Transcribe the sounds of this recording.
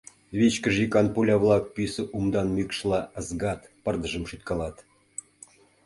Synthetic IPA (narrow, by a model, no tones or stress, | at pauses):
βʲet͡ɕkəʒikɑnpulʲɑβlˠɑk̚pysə̆ʔumd̪ɑnmykʃlˠɑəzɡɑt̪pə̆rd̪əʒə̆mʃyt̪kɑlɑt̪